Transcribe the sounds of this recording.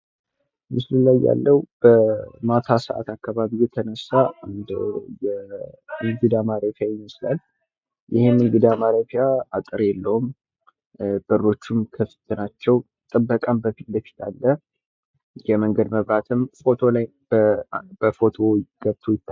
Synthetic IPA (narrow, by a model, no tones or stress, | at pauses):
mɨslɨlajːa̰lːəwub̥əmat̪ʰasə̰ʔa̰t̪ʰakːaβaβijːɛt̪ʰənəsːaɨnd̪jɛmɨɡɨd̪amaɾafjajɪməslal | jɪhemɨŋɡɨd̪amaɾafijaat̪ʼɨɾjɛlːəwum | b̥əro̞t͡ʃːumkʰəfɨ̥t̪ʰʼːɨnat͡ʃːɛw | t̪ʼɨbːəkʼambəfit̪d̪əfi̥t̪ʰalːə | jɛməŋɡəd̪məβɾat̪ʰɨmfo̞t̪ʰo̞laj | b̥əbəfo̞t̪ʰo̞ɡ̥əβt̪ʰojɪt̪ː